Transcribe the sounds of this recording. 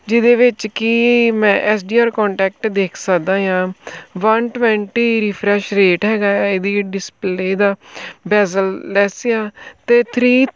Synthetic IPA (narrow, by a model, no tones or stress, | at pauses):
d͡ʒɪd̪eːʋɪt͡ʃkɪmɛ̃ːʔɛːs̬ɖiːaːɾkɔːɳʈɛːk̚ʈd̪eːkʰsəkd̪ãːjãːʋənʈʋɛ̃ːɳʈiːɾiːpʰɾɛːʃɾeːʈɦɛːɡaːed̪iːɖɪspleːd̪aːbɛːzəllɛːseãːt̪eːt̪ʰɾiː